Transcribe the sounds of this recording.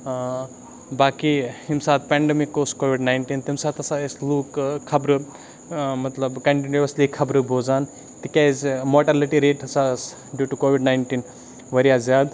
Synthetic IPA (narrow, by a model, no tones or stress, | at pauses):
baːkihimsaːt̪̚pɛːɳɖemikːoːskoːʋiɖnajɳʈiːnt̪imsaːt̪ɐsaesluːkkʰːɐbɾɨ | mɐt̪lɐbkɐ̃ɳʈiniʋɐslikʰːɐbɾɨbʱoːzaːn | t̪ikʲazmoʈɐliʈiɾeːʈɐsas | ɖjuːʈukoːʋiɖnaːjɳʈiːn | ʋɐɾijazjaːd̪